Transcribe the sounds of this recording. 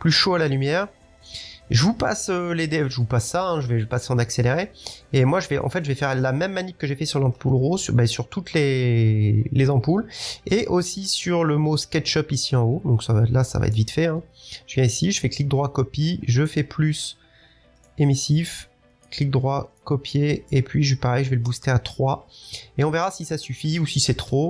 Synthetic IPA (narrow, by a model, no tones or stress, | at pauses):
plyʃoalalymjɛːʁ | ʒəvupa̰søled̪eʒəvupasːaɛ̃ʒəvɛpaseɑ̃nakseleʁeemwaʒəvɛʔɑ̰̃fɛt̪ʒəvɛfɛʁlamɛmːanikkːəʒefɛsyʁlɑ̃pulʁobɛsyʁt̪ut̪le | lezɑ̃puleʔosisyʁləmoskɛt̪ʃɔpisiɑ̃od̪ɔ̃ksavalasa̰va̰ɛ̰t̪vit̪fɛɛ̃ʒəvjɛ̃isiʒəfɛklik̚d̪ʁwakɔpiʒəfɛplys | emisif | klik̚d̪ʁwakɔpjeːpɥiʒepaʁɛjʒəvɛləbust̪eat̪χwaeɔ̃veʁasisasyfiusisɛt̪χo